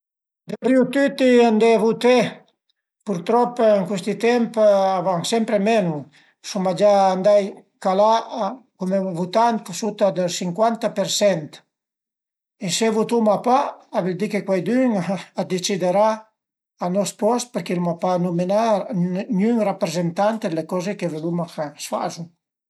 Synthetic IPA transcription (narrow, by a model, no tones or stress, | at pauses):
d̪ebɾiut̪yt̪iand̪evut̪e | puɾt̪ɾɔpeŋkwest̪it̪ɛmpavaŋsɛmpɾemenu | sumad͡ʒaːnd̪aj | kalakumevut̪ant̪sut̪ad̪əlsiŋkwant̪apeɾsɛnt̪ | esevut̪umapaaβɛld̪ikekwajd̪yŋad̪et͡ʃid̪eɾa | anɔspɔspəɾkelmapanumenaɾnyŋrapɾezent̪ant̪ed̪lekɔzekevelumakasfa̰zu